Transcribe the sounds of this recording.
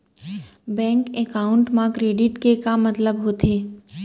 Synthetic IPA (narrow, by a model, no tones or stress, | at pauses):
bɛ̃ːŋkekaːʊɳʈmãkɾeːɖɪʈkekamɐt̪ləbɦoːt̪eː